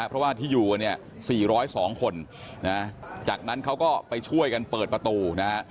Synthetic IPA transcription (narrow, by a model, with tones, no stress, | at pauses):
ʔpʰɾɔ˦˥waː˥˩t̪ʰiː˥˩juː˨˩ka˧ni˥˩ə | siː˨˩ɾɔː˦˥jsɔː˩˦ŋkʰo˧nna˦˥t͡ɕaː˨˩k̚na˦˥nkʰa˦˥wkɔː˥˩pa˧jt͡ɕʰu˥˩əjka˧npɤː˨˩t̪̚pɾa˧t̪uː˧na˦˥ha˦˥ʔ